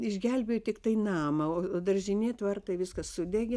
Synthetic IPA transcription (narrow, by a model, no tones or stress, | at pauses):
ɪʒʲɡʲɛlʲbʲeːjoːt̪ʲɪkt̪ɐɪnɑːmɐoːoːd̪ɐrʲʒʲɪnʲeːt̪ʋɐrt̪ɐɪʋʲɪskɐssʊd̪ʲɛɡʲɛ